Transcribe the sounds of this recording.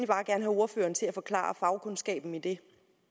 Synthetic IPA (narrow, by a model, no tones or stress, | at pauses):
nib̥ɑ̈ːɡ̥æɐnɦæo̝ɐfø̰ːɐnt͡sʰe̝æfɒ̽kʰlɑ̰̈ːɐfɑ̈ʊkʰɔ̽nsɡ̥ɛ̰ːb̥n̩id̥e̝